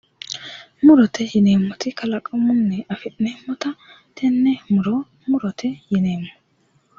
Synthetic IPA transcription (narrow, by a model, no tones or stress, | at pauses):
mʊɾɔt̪ɛjɪneːmːɔt̪ɪkɐlɐkʼɐmʊnːɛɐfɪʔneːmːɔt̪ɐ | t̪ʰɛnːɛmʊɾɔ | mʊɾɔt̪ʰɛjɪneːmːɔ